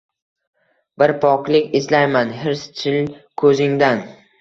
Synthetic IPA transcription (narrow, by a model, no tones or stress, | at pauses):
bɪɾpʰɒqlɪkʲɪzlajmanɦɪɾst͡ʃʰɪlkʰɵzɪŋd̪an